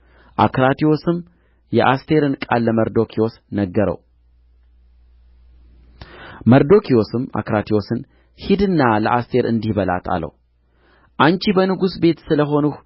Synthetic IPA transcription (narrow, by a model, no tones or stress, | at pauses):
ʔa̰kʰɾat̪ʰio̞sɨm | jɛʔast̪ʰe̞ɾɨnkʼalːəməɾd̪o̞kʰio̞snəɡːəɾə̰w | məɾd̪o̞kʰio̞sɨma̰kɾat̪ʰio̞sɨn | hid̪ɨnːaləʔast̪ʰe̞ɾɨ̰nd̪ihbəla̰t̪ʰa̰lə̰w | ʔant͡ʃibənɨɡusbe̞t̪sɨləɦo̞nuh